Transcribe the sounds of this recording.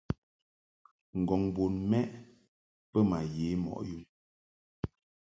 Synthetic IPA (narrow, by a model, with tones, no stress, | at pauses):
ŋ̩˨ɡɔ˨ŋbo˨nmɛ˦ʔ | pə˦ma˨je˨˦mɔ̰˨ʔju˦˨m